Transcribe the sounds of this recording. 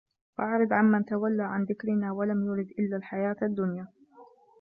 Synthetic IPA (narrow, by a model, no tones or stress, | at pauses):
ʔʔaʕɾɪd̪ʕanmːanat̪awalːaʕanðɪkɾɪnaːwalamjʊɾɪd̪ʔɪlːalħajaːt̪ad̪ːʊnjaː